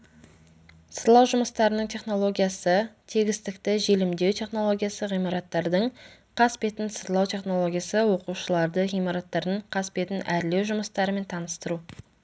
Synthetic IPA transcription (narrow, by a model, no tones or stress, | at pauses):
səɾlˠɑwʒʊməst̪ɑɾənəɴt̪ʰe̞χno̞lˠo̞ɡʲijasət̪ʰeɡʲɪst̪ɪkt̪ɪʒe̞lɪmd̪e̞wt̪ʰe̞χno̞lˠo̞ɡʲijasəʁijmɑɾɑt̪ːɑɾd̪əɴqʰɑspe̞t̪ɪnsəɾlˠɑwt̪ʲʰe̞χno̞lˠo̞ɡʲijasəwo̞quʃəlˠɑɾd̪əʁijmɑɾɑt̪ːɑɾd̪əɴqʰɑspe̞t̪ɪnʔæɾle̞wʒʊməst̪ɑɾəme̞nt̪ʰɑnəst̪əɾu